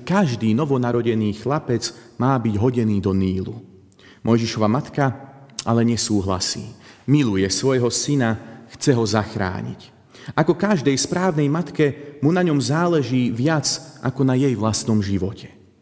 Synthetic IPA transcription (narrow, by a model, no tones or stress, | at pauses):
kaʒd̪iːnɔʋɔnaɾɔɟɛniːxlapɛt͡smaːbiɟɦɔɟɛniːd̪ɔniːlu | mʔɔjʒiʃɔʋamat̪kaalɛɲɛsuːɦla̰sḭːmilujɛsʋɔjɦɔsinaxt͡sɛɦɔzaxɾa̰ːɲḭc | ʔakɔkaʒd̪ɛjspɾaːʋnɛjmat̪kɛmunaɲɔmzaːlɛʒiːʋɪat͡sʔa̰kɔnajɛjʋlast̪nɔmʒiʋɔcʰɛ̥